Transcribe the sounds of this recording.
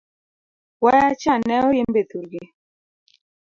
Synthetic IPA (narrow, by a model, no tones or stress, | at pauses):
wajat͡ʃanɛojembet̪uɾɡɪ